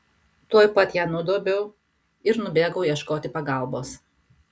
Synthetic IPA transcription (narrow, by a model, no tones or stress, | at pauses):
t̪uɔjpɐt̪ʲjæːnʊd̪oːbʲɛʊ | ɪɾnʊbʲeːɡɐʊjiɛʃkoːt̪ʲɪpɐɡɐlˠboːs